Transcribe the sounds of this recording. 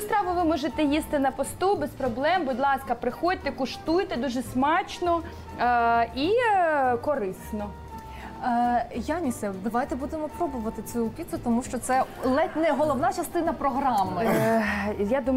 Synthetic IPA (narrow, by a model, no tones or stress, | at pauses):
st̪ɾɑʋʊʋɪmɔʒet̪ɛjist̪ɪnɐpɔst̪ubɛspɾɔblˠɛmbʊd̪ʲlˠɑskɐpɾɪxɔd̚ʲt̪ɛkʊʃt̪ujt̪ɛd̪uʒɛsmɑt͡ʃnɔ | i | kɔɾɪsnɔ | janʲisɛd̪ɐʋajt̪ɛbud̪emɔpɾɔbʊʋɐt̪ɪt͡sʲuːpʲit̪sʊt̪ɔmuʃt͡ʃɔt̪sɛlˠɛnɛɦɔlˠɔwnɑt͡ʃɐst̪ɪnɐpɾɔɦɾɑmɪ | jad̪um